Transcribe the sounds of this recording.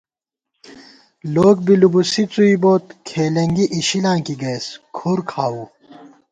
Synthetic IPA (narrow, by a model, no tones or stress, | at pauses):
loːɡ̚bilubusit͡suiboːt̪kʰeːlɐŋɡiʔiɕilãːkiɡeːskʰoɾkʰaːuː